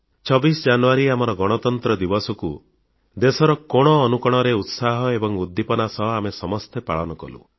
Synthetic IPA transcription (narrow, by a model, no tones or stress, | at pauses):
t͡ʃʰɔbisd͡ʒanuaɾiamɔɾɔɡɔɽ̃ɔt̪ɔnt̪ɾɔd̪ibɔsɔku | d̪esɔɾɔkɔɽ̃ɔːnukɔɽ̃ɔɾeut̪saɦɔebɔŋud̪ːipɔnasɔɦamesɔmɔst̪epa̰ɭɔnɔkɔ̰lṵ